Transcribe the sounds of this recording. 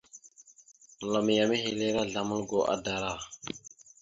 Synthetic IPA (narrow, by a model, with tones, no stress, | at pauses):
la˨m˨ja˨mi˦ɦe˨le˦ɾa˦ɮa˨mə˦lɡo˨ʔa̰˦da˨ɾa˦˨